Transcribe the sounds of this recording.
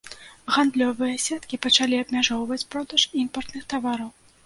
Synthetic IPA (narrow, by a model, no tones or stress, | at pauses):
ɣand̪lʲɔvɨjɛsʲɛt̪kʲipɐt͡ʂalʲiɐbmʲaʐɔwvɐt͡sʲpɾɔd̪ɐʂimpɐrt̪nɨxt̪avaɾɐw